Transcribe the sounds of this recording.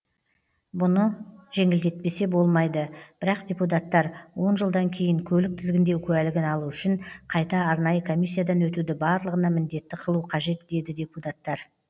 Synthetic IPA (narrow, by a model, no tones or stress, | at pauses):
bʊnəʒe̞ŋɪld̪e̞t̪̚pe̞se̞bo̞lˠmɑjd̪əb̥ɪɾɑqd̪ʲe̞put̪̬at̪ːɑɾwo̞nʒəlˠd̪ɑŋkʲʰe̞jɪŋkʲʰɵlɪk̚t̪ʰɪzɡʲɪnd̪e̞wkʲʰɵælɪɡʲɪnɑlˠuʏʃɪɴqʰɑjt̪ɑːɾnɑjəkʰo̞mʲisːijad̪ɑnwɵt̪ud̪ɪbɑɾlˠəʁənɑmɪnd̪e̞t̪ːɪqʰəlˠuqʰɑʒe̞t̪d̪e̞d̪ɪd̪ʲe̞put̪at̪ːɑɾ